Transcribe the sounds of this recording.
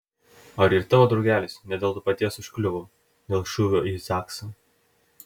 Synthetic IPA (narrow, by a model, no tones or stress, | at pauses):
ɐɾiɾt̪ɑːʋoːd̪ɾɔʊɡʲæːlʲɪːsnʲɛd̪ʲeːlˠt̪ʊpɐt̪ʲiɛsʊʃkʲlʲʊʋoː | d̪ʲeːlˠʃʊʋʲoizɑːksɐ